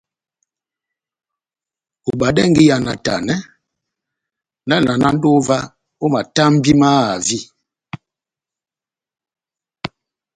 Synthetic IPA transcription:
u˨ba˨dɛ˦ŋ˦ɡi˦ja˨na˨ta̰˨nɛ˦ | na˦˨la˨na˦n̩˦do˦va˦ | o˦ma˨ta˦m̩˦bi˦ma˦˨a˨vi˦˨

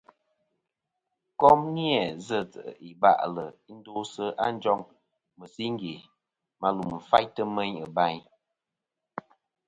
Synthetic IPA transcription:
kɔ˦mni˦ɛ˨zə˦˨tə˨ə˨i˨ba̰˦˨ʔlə˨˦n̩˦do˦sə˦a˦n̩˦d͡ʒɔ˦ŋ | mə˨si˦ŋ˦ɡe˨ | ma˨lu˨m̩˨fa˦jtə˦mə˦ɲə˨ba˦ɲ

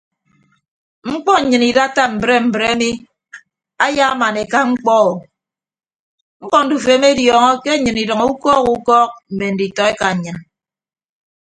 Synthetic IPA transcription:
ŋ͡m̩˦k͡pɔ˦ɲ̩˨ɲɨ˨ni˨da˦ta˦m̩˨bɾe˦m̩˨bɾe˦mi˦ | a˦ja˦a˦ma˨ne˨ka˦ŋ͡m̩˦k͡pɔ˦ɣɔ˨ | ŋ͡m̩˦k͡pɔ˦n̩˨du˨fe˨˦m˦e˦djɔː˨ŋɔ˦ke˦ɲɨ˨ni˨dɔ˨ŋ˦u˦kɔː˦ku˦kɔː˦k̚m̩˨me˨n̩˨di˨tɔ˨e˦ka˨ɲ̩˨ɲɨ˨n

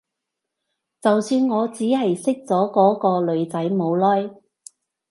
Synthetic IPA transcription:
t͡sɐ˨wsyː˧nŋɔː˨˧t͡siː˨˥hɐ˨jsɪ˥k̚t͡sɔː˨˥kɔː˨˥kɔː˧lɵ˨˧ɥt͡sɐ˨˥jmo˨˧wlɔː˥j

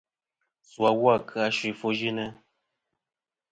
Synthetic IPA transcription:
swa˨wwa˦˨kʰɨ˦a˦˨ʃi˨fo˦ʒi˦nɛ˦

